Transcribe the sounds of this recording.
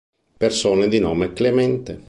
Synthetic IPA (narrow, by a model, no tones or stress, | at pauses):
persoːned̪inɔːmeklemɛnt̪e